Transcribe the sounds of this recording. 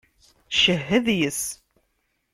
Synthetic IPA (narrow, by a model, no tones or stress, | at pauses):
ʃəɦːəðjəs